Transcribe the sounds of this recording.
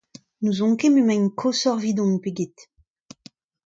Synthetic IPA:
nuzɔ̃ŋkememɛ̃ɲkʰosɔʁvid̪ɔ̃npeɡet̪

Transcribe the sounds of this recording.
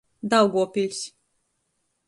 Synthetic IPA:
d̪awɡuɔpʲilʲs

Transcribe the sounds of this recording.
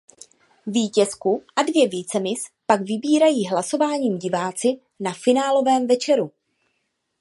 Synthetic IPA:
viːcɛskuʔadvjɛviːt͡sɛmɪspaɡvɪbiːɾajiːɦlasovaːɲiːmɟɪvaːt͡sɪ | nafɪnaːlo̞vɛːmvɛt͡ʃɛɾu

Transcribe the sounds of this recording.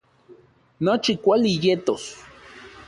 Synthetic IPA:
not͡ʃikʷalijet̪os

